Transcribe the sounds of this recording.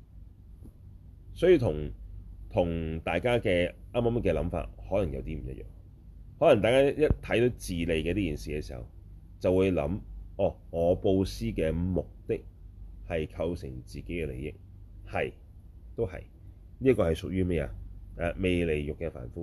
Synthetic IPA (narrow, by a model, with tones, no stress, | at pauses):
sɔː˨˥jiː˧wt̪ʰʊ˨˩ŋt̪ʰʊ˨˩ŋt̪aː˨jkaː˥kɛː˧ʔaː˥mɐ˥mkɛː˧lɐ˨˥mfa̰ː˨t̚hɔː˨˥lɐ˨˩ŋjɐ̰˨˧wt̪iː˥m̩˨˩jɐ̰˥t̚jœ̰ː˨˩ŋ | hɔː˨˥lɐ˨˩ŋt̪aː˨jkaː˥jɐ˥t̚t̪ʰɐ˨˥jt̪o˨˥wt͡siː˨le˨jkɛː˧t̪iː˥jiː˨˩nsiː˨kɛ˧siː˨˩hɐ̰˨˩w | t͡sɐ˨wuː˨˧jlɐ̰˨˥mɔː˨˩ŋɔː˨˧po˧wsiː˥kɛː˧mʊ˨k̚t̪ɪ˥k̚hɐ˨jkʰɐ˧wsɪ̰˨˩ŋt͡siː˨ke˨˥jkɛː˧lḛ˨˩jɪ̰˥k̚ | hɐ˨j | t̪o˥whɐ̰˨j | niː˥kɔː˧hɐ˨jsʊ˨k̚jyː˥mɛː˥jɛ̰˧ɛ˨˧me˨jle˨˩jjʊ˨kːɛː˧fa̰ː˨˩nfuː˥